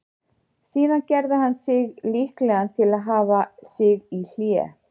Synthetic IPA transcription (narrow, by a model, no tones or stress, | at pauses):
siːnacɛɾðɪɦanːsɪɣlihklɛɣant̪ʰɪlaðɦaːvasɪɣil̥jɛ̰